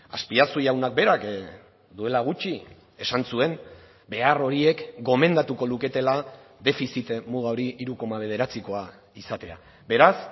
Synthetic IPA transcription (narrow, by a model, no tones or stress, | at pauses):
aspiasujawnak̚be̞ɾak | d̪ue̞laɣ̞ut͡ʃi | e̞sansue̞m | be̞aro̞ɾie̞kɡo̞me̞nd̪at̪uko̞luke̞t̪e̞laðe̞fisit̪muɣao̞ɾiiɾuko̞maβ̞e̞ð̞e̞ɾat͡siko̞a | isat̪e̞a̰ | be̞ɾas